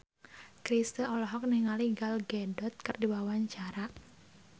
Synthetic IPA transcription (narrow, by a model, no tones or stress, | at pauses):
kɾist̪əɔlɔɦɔk̚niŋaliɡalɡɛdɔt̪̚kɨrdiwawaɲt͡ʃaɾaʔ